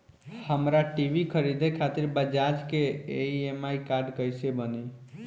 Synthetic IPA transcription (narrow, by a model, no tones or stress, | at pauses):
həmɾaʈibʱikʰəɾid̪ʱekʰat̪iɾbəd͡ʒad͡ʒkeeiemaikaɾɖkəjsebəni